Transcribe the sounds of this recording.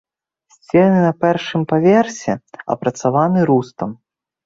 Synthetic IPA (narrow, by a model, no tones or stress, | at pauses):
sʲt͡sʲɛnɨnɐpʲɛrʂɨmpavʲɛrsʲɛɐ̰pɾɐt̪savanɨɾust̪ɐm